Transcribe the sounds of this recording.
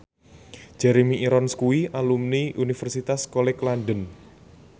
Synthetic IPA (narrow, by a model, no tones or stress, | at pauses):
d͡ʒ̥ɛɾemiʔːɾɔnskuwiʔalumniʔunifɛrsit̪askolɛklaɳɖən